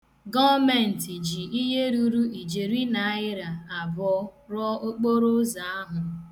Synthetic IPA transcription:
ɡɔ˦vmɛ˨n̩˨ti˨d͡ʒi˨i˦ɦe˦ɾu˦ɾu˦i˨d͡ʒe˨ɾi˦na˨a˦ɪ˦ɾa˨a˨bɔ˨˦ɾɔ˦o˦k͡po˦ɾo˦za˨a˦ɦʊ˨

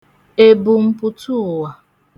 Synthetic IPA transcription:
e˦bu˨m̩˦pʊ˦tu˦˨wa˨

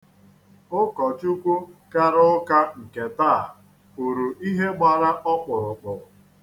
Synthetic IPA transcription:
ʊ˦kɔ˨t͡ʃu˦kʷu˦ka˦ɾʊ˦ka˦ŋ̩˨ke˨taː˦˨ | u˨ɾu˨ʔi˦ɦe˦ɡ͡ba˨ɾa˦ʔɔ˦k͡pʊ˨ɾʊ˨k͡pʊ˨

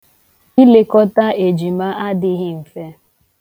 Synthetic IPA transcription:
i˦le˨kɔ˦ta˦e˨d͡ʒi˨ma˦ʔa˦dɪ˦ɣɪ˦m̩˨fe˦

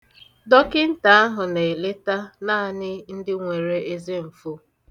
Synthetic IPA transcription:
dɔ˦kɪ˦n̩˦ta˨a˦ɦʊ˨ne˨e˨le˦ta˦na˦a˦˨nɪ˦n̩˦dɪ˦ŋʷe˨ɾe˦e˦ze˦m̩˨fu˦

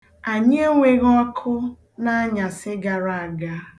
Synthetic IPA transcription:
a˨ɲ˦e˦ŋʷe˦ɣɔ˦kʰʊ˦ | na˦a˦ɲa˨sɪ˦ɡa˨ɾa˨a˨ɡa˦

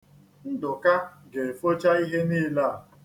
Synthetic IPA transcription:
n̩˦dʊ˨ka˦ɡe˨fo˦t͡ʃa˦i˦ɦe˦niː˦la˦˨

